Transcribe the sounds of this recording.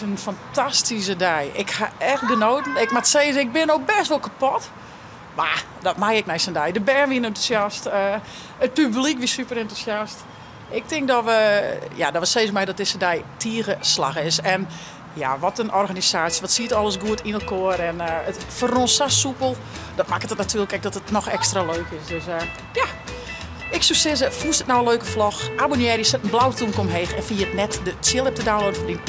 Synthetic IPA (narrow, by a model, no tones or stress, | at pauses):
ənfantʰastis̬ədɛjʔɪkhaɛxdənoːtn̩ɪkmatseːzɪk̚bɪnowk̚bɛstʋolˠkapɔt | ma | dɔtmajɪk̚mɛjsəndɛjdəbɛːnʋiənɪntu̥sjastə | ət̚pyblikʋisypəɾɛntusjast | ʔɪk̚tɪŋk̚dɔʋəjadɔʋɔseːzmɛjdɔt̚dɪsədɛjtiəɣəsla̰xɪsɛn | ja̰ʋɔtənʔɔrɣanisaːtsjəʋɔtsiətɔlˠəsɡuətinəlˠkʰoəɾɛnətfəronsasupəlˠ | dɔt̚makətətnatʰyələkɛk̚dɔtətnɔxɛkstraløːkɪsdøs | ja | ɪksyksɪzəfuəstətnawənløːkəflɔxʔabonjɛːɾjəsɛtənblawətʰunkomɦeːxɛnfiətnɛtdət͡sjɪlˠɛp̚tədanlodəfədin